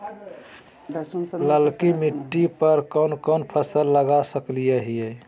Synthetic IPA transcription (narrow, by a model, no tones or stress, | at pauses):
ləlkimiʈːipəɾkənkənpʰəsəlːəɡasəklijəɦijəj